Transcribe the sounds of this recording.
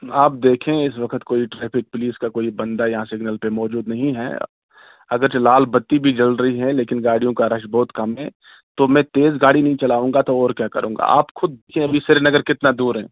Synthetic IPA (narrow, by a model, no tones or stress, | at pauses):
aːp̚d̪eːkʰẽɪsʋɐkʰət̪koːiʈɾɛːpʰɪk̚pʊliːskakoːibɐ̃nd̪ajɐɦãsɪɡnəlpemɔːd͡ʒuːd̪nɐɦĩɦɛ̰ | ɐɡəɾt͡ʃelaːlbɐt̪ːibʱid͡ʒɐlɾɐɦiɦɛ̃leːkɪnɡaːɽijõkaɾɐʃbɔːt̪kɐmɦɛ̰̃ | t̪omɛ̃t̪eːzɡaːɽinɐɦĩt͡ʃɐlaːũːŋɡat̪oɔːɾkjaːkɐɾũːŋ̆ɡa̰a̰ːpxʊd̪̚ːeːkʰẽɐbʱisɪɾenɐɡəɾkɪt̪nad̪uːɾɦɛ̃ː